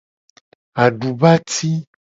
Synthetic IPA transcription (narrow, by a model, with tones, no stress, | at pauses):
a˨ɖu˨ba˦t̪i˦